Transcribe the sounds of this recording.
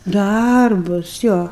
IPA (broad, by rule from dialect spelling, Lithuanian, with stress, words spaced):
ˈdɐrbʊs ˈjoː